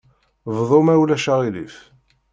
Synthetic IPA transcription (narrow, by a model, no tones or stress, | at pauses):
vðˤomæwlæʃaʁilḭf